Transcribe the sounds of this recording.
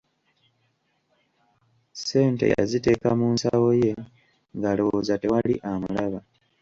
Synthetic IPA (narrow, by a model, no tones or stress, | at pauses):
se̞ːntḛja̰zite̞kamuːnsawo̞je̞ | ŋɡaloozate̞walḭʔamulaβa